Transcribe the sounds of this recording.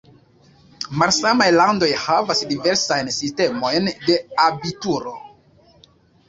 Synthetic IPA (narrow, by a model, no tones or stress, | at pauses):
malsamajlando̞jhavasdive̞ɾsajnsiste̞mo̞jnde̞abituɾo̞